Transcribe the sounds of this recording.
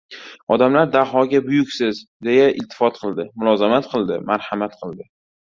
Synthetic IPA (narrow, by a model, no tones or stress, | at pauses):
ɒd̪amlaɾd̪aɦɒɡʲabʊjʊkʲsɪzd̪e̞jaʔɪ̰lt̪ʰːɪ̥fɒt̪̚qʰɨlˠd̪ɪmʊlˠɒzamat̪qʰɨlˠd̪ɪmaɾhamat̪̚qʰɨlˠd̪ɪ